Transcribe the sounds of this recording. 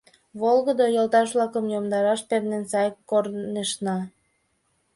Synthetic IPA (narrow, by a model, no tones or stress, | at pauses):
βolˠɣəd̪ojolˠt̪ɑʃ̬βlɑkəmjomd̪ɑɾɑʃpernensɑjkːorneʃnɑ